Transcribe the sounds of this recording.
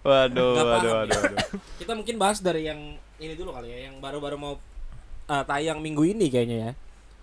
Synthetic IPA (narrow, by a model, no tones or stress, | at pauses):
wadoadoaddokit̪amuŋkɪnbaɦasdaɾijaŋ | init̪ulokalojajaŋbaɾubaɾumau | əːt̪ajaŋmiŋɡuinikajaɲaja